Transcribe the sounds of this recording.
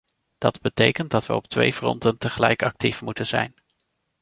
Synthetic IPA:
d̥ɑdbətejkənt̚dɑtʋəɔp̚tʋḛjvrɔ̰ntəntəχəlɛjkɑk̚tifmutənz̥ɛjn

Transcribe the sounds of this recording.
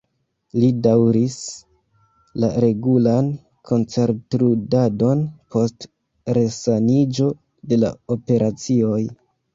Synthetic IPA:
lidawɾis | laɾe̞ɡulan | kʰo̞nt͡se̞ɾtɾudado̞npʰo̞st | ɾe̞sanid͡ʒo̞ | de̞la̰ope̞ɾʔat͡sio̞j

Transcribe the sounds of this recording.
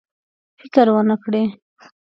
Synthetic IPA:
fɪkəɾwənəkɽe

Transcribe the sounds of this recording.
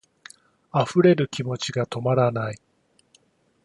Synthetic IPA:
aɸɯ̟ɾe̞ɾɯ̟kʲimo̞t͡ɕiɡat̪o̞maɾanai

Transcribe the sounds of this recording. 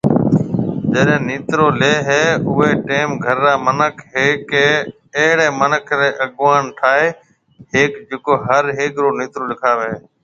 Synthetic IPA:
d͡ʒeːɗẽːniːt̪ɾoːleːɦeːʊʋeːʈeːmɡʱəɾːaːmənəkʰɦeːkeː | eːɽeːmənəkʰɾeːʔəɠʋaːnʈʰaːeː | ɦeːkd͡ʒɪkoːɦəɾɦeːkɾoːniːt̪ɾoːlɪkʰaːʋeː

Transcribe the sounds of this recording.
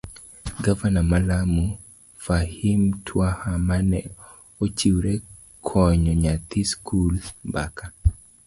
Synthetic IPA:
ɡavanamalamu | fahimtʰwahamanɛ | ot͡ʃiwɾɛ | kʰɔɲɔɲat̪iskʰulbaka

